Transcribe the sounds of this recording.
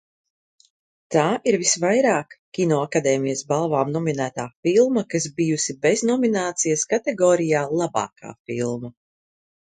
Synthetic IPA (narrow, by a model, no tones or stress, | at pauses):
t̪aːʔiɾvisvajɾaːkkʲːinɔːakad̪ɛːmijɐsbalˠvaːmnɔminæːt̪aːfilˠmɐkasbijusibeznɔminaːt̪sijaskat̪ɛɡɔːɾijaːlˠaba̰ːka̰ːfḭlˠmɐ